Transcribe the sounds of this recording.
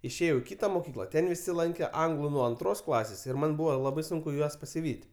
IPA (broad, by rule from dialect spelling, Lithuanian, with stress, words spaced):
ɪʃʲˈeːjɛʊ ɪ ˈkʲɪtɐ moːˈkʲiːklˠɐ ˈtʲɛn ʋʲɪˈsʲɪ ˈlˠɐŋʲkʲeː ˈɐŋɡlˠʊ nuɔ ɐnˈtroːs ˈklˠɑːsʲeːs ɪr ˈmɐn ˈbʊʋoː ˈlˠɑːbɐɪ ˈsʊŋkʊ ˈjuɔs pɐsʲɪˈʋʲiːtʲ